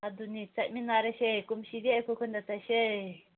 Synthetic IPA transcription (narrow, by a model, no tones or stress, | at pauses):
ad̪unĩt͡saʔmĩnãɾeʃekumʃiðekukund̪at͡saʃe